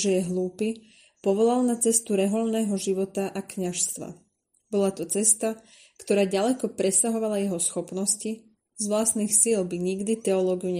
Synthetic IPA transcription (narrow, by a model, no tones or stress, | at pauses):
ʒɛjɛɦluːpi | pɔʋɔlalnat͡sɛst̪uɾɛɦɔlnɛːɦɔʒiʋɔt̪aʔakɲaʃst̪ʋa̰ | bɔlat̪ɔt͡sɛst̪a | kt̪ɔɾaːɟalɛkɔpɾɛsaɦɔʋalajɛɦɔsxɔpnɔsci | zʋlast̪niːxsilbiɲiɡd̪it̪ɛɔlɔːɡiuɲɛ